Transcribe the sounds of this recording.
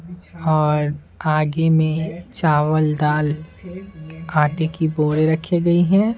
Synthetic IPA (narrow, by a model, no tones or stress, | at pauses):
ɔːɾ | aːɡemẽt͡ʃaːʋəld̪aːl | aːʈekiboːɾeɾɐkʰeɡɐiɦɛ̃ː